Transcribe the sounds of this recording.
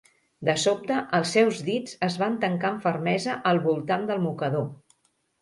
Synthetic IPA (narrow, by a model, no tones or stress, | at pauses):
d̪əsop̚t̪əʔəlˠsːɛwzðid͡zəzβant̪əŋkaəɱfərmɛzəʔəlˠβulˠt̪and̪əlˠmukəðo